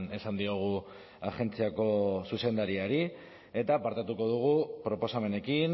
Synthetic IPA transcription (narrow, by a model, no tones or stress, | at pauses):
ne̞sand̪io̞ɣ̞u | axe̞nt͡siako̞suse̞nd̪aɾiaɾi | e̞t̪apaɾt̪at̪uko̞ð̞uɣ̞upɾo̞po̞same̞ne̞kin